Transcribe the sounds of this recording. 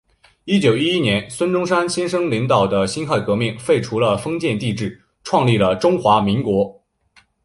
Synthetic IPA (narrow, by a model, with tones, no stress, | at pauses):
i˥t͡ɕjo˨˩ʊi˥i˥njɛ˧˥nswə˥nʈ͡ʂʊ˥ŋʂa˥nɕi˥nʂɤ˥ŋli˧˥ŋt̪ɑ˨˩ʊd̪ə˦ɕi˥nxa˥˩ɪkɤ˧˥mi˥˩ŋfe˥˩ɪʈ͡ʂʰu˧˥lə˧fɤ˥ŋt͡ɕjɛ˥˧nt̪i˥˧ʈ͡ʂɻ̩˥˩ | ʈ͡ʂʰwɑ˥˧ŋli˥˩lə˩ʈ͡ʂʊ˥ŋxwa˧˥mi˧˥ŋkwɔ˧˥